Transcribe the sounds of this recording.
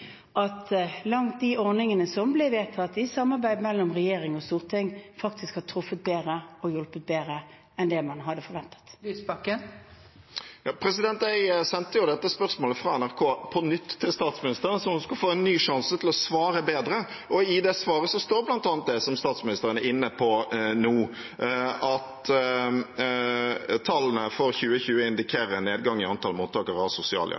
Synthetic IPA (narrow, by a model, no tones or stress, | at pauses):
ʔɑt̪lɑŋt̪̚d̪iʔɔʁnɪŋənəsɔmblɛʋeːt̪ʰɑt̪ːɪsɑmːɑɾbæɪd̪mɛlːɔmʁɛjeːɾɪŋɔst̪uːʁt̪ʰɪŋfɑkt̪ʰɪskhɑt̪ʰɾʊfət̪̚beːʁəɔjɔlpət̪̚beːɾə | ɛnd̪ɛmɑnɦɑd̪ːəfɔɾʋɛnt̪ə̥t̪lyːsbɑkən | jɑːpʰɾɛsɪd̪ɛnt̪æɪsɛnt̪əjʊd̪ɛt̪ːəspœʁsmoːləfʁɑɛnæʁkʰoːpʰɔnʏt̪ːʰɪlst̪ɑːt̪smɪnɪst̪əɾənsɔhʊnskʉlfoːɛnːyːʂɑnsət̪ʰɪlɔsʋɑːɾəbeːd̪ɾə | ʔɔɪd̪ɛsʋɑːɾəsɔst̪oːʁblɑnt̪ɑːnt̪̚d̪ɛsɔmst̪ɑːt̪smɪnɪst̪əʁənɛɪnːəpʰɔnuː | ɑt̪ | t̪ʰɑlːən̩əfɔɾçʉːəçʉːəɪnd̪ɪkʰeːɾəɛnːeːd̪ɡɑŋːɪɑnt̪ʰɑlmuːt̪ʰːɑːkəɾɑsʊsɪɑ̰ːljɑ̰